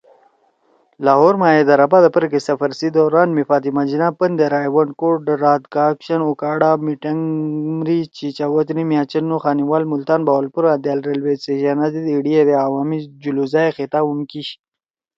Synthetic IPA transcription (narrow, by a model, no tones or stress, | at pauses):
laɦoːɾmajed̪aɾabad̪əpəɾkesɐfəɾsid̪oɾaːnmifaːt̪imad͡ʒinapənd̪eɾaːjwɐɳkoʈɖɾaːd̪kaːkʃɐnukaːɽamiʈɐŋmɾit͡ʃit͡ʃawot̪nimjaːt͡ʃənnoxaːniwalmult̪aːnbawalpuɾad̪jalɾelweseʃanazid̪iɽijed̪eawaːmid͡ʒuluzajexet̪aumkiɕ